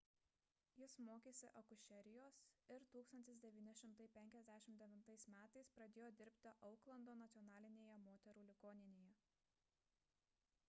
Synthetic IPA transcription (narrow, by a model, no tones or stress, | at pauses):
jɪsmoːkʲeːsʲɪʔɐkʊʃʲɛɾʲɪjoːsɪɾt̪uːkst̪ɐnʲt̪ʲɪsd̪ʲɛʋʲiːnʲɪʃʲɪmt̪ɐɪpʲɛŋʲkʲɛzʲd̪ʲæʃʲɪmt̪d̪ʲɛʋʲɪnt̪ɐɪsmʲæːt̪ɐɪspɾɐd̪ʲeːjoːd̪ʲɪɾʲpʲt̪ʲɪʔɐʊklˠɐnd̪oːnɐt̪sʲiɔnɑːlʲɪnʲeːjɛmoːt̪ʲɛɾuːlʲɪɡoːnʲɪnʲeːjɛ